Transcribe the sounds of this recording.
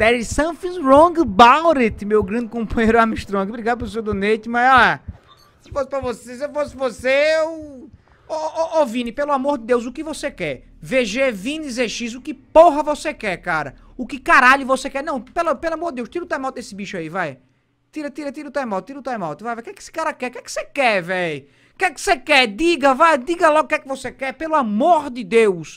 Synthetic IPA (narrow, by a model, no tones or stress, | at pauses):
d̪ɛɾisɐ̃fĩɾõɡbawɾet̪mewɡɾɐ̃nd̪ɪkõpɐ̃jejɾʊamiʃt̪ɾõɡbɾiɡad̪ʊp̬eʊs̬ewd̪onet͡ʃ̪ɪmaza | sɪ̥fosɪpɾɐvosesefosɪvosew | ooʔovĩnɪpelʊamoɾd̪ɪd̪ewzʊkɪvosekɛɾ | veʒevĩnd̪izeʃizʊkɪpoɦɐvosekɛɾkaɾɐ̰ | ʊkɪkaɾaʎʊvosekɛɾnɐ̃w̃pelapelʊamoɾd̪ɪd̪ewʃt̪iɾɐʊt̪ajmɔt̪ɪd̪esɪbiʃʊaivaj | t̪iɾɐt̪iɾɐt̪iɾʊt̪ajmɔt̪̚t̪iɾuʊt̪ajmɔt̪ɪvajvajkɛkesɪ̥kaɾɐkɛkɛkɪ̥sekɛvɛj | kɛkɪ̥sekɛd̪iɡɐvajd̪iɡɐlɔɡʊkɛkɪvosekɛpelʊamoɾd̪ɪd̪ews